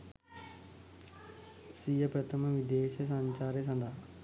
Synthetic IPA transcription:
sijəpɾɐt̪ʰəməʋid̪eːʃəs̬ãɲt͡ʃaːɾjəs̬ɐ̃nd̪ʱaː

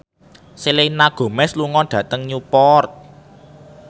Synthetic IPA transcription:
silenaɡ̥o̤mɛsluŋɔɖ̥ä̤t̪əŋɲupɔrt̪̚

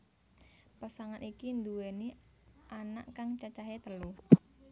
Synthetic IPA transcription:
pasaŋanʔikind̪uweniʔana̰ʔkaŋt͡ʃat͡ʃaɦet̪əlu

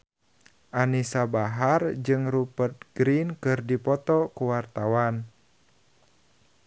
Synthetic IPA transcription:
ʔanisabaɦard͡ʒɨŋrupərt̪̚ɡ̥ɾinkɨrdipɔt̪ɔkuwart̪awan

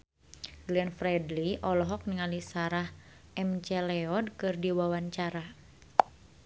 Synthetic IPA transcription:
ɡlɛnfɾɛdliʔɔlɔɦɔk̚niŋalisaɾah | ɛmt͡ʃɛlɛɔd̚kɨrdiwawaɲt͡ʃaɾa

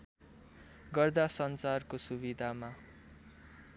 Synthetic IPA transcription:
ɡʌrd̪asʌnt͡sarkosubid̪ʱama

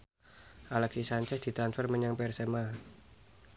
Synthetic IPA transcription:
ʔaləksisaɲt͡ʃɛsd̪̥i̤t̪ɾansfɛrməɲaŋpɛrsɛma

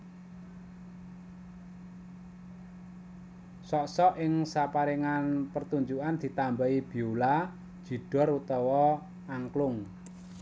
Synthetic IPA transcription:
sɔʔsɔʔɪŋsapaɾiŋanpərt̪uɲd͡ʒuʔand̪̥i̤t̪ambaib̥i̤ulḁ | d͡ʒ̥i̤ɖ̥ɔ̤rut̪ɔwɔ | aŋklʊŋ

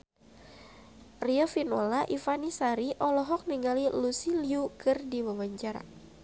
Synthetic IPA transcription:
riɔfinɔlaʔifanisaɾiʔɔlɔɦɔk̚niŋɡalilusiliukɨrdiwawaɲt͡ʃaɾa̰

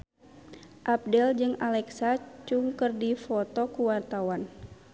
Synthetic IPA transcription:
ʔap̚dɛld͡ʒɨŋalɛksat͡ʃuŋkərdifɔt̪ɔkuwart̪awan

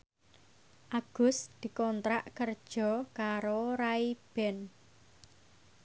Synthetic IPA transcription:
ʔaɡ̥ʊ̤sd̪̥i̤kɔnt̪ɾaʔkərd̥ʒ̥ɔ̤kaɾoɾaib̥ɛn

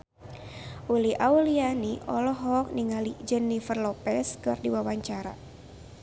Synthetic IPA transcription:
ʔuliʔaulianiʔɔlɔɦɔk̚niŋalid͡ʒənːifərlɔpɛskɨrdiwawaɲt͡ʃaɾa̰

